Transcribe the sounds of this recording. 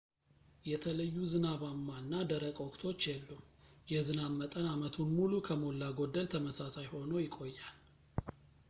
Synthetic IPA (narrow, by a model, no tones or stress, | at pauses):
jɛt̪ʰələjːuzɨnaβamːanːad̪əɾəkʼokʼt̪ʰo̞t͡ʃːjɛlːujɛzɨnammːət̪ʼənamət̪ʰunmulukʰəmo̞lːaɡo̞d̪ːəlt̪ʰəməsasajho̞nojɪkʼo̞jːal